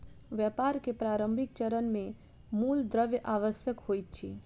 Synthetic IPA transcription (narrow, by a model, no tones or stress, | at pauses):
ʋjəpaɾkepɾaɾəmbʱik̚t͡ʃəɾənme | muld̪ɾəʋjʔaʋəsjəkhojt̪̚t͡ʃʰḭ